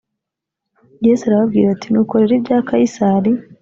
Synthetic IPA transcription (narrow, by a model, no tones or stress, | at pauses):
jesaɾaβabɡiːɾatinuːko̞ɾeɾibjaːkaisaɾi